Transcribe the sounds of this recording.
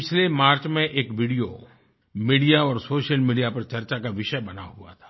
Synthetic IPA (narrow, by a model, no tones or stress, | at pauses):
pɪt͡ʃʰlemaːɾt͡ʃmẽʔeːkʋiːɖijo̰ | miːɖijaɔːɾsoːʃəlmiːɖijapɐɾt͡ʃɐɾt͡ʃakaʋɪʃəbɐnaɦua̰t̪ʰḁː